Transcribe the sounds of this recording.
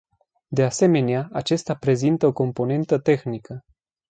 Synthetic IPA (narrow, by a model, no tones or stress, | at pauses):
d̪e̞ase̞me̞neaat͡ʃest̪apɾe̞zint̪əo̞ko̞mpo̞ne̞nt̪ət̪e̞xnikə